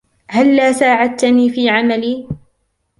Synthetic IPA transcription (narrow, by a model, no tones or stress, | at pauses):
halːaːsaːʕat̪ːniːfiːʕamaliː